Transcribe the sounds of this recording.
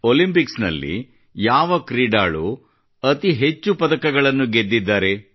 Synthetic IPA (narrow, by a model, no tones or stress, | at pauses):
olimpiksnɐ̰lːḭ | jaːʋɐkɾiːɖa̰ːɭu | ɐt̪iɦe̞t͡ʃːupɐd̪ɐkɐɡɐɭɐnːuɡe̞d̪ːid̪ːaːɾe̞